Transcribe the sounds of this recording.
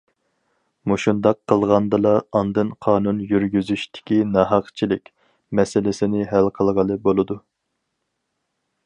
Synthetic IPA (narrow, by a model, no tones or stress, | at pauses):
moʃund̪ɑqʰːəlˠʁɑnd̪ɨlˠɑɑnd̪ɨnqʰɑːnunjyɾɡʲyzyʃt̪ʰɪ̥kʲinɑɦɑqt͡ʃʰilɪkʲ | mɛsɪlɪsɪnɪɦælqʰəlˠʁəlˠɨbolˠɨd̪u